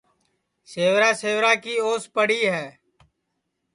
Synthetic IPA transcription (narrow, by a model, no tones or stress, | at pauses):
seːʋɾaːseːʋɾaːkiːoːspəɽiːɦɛː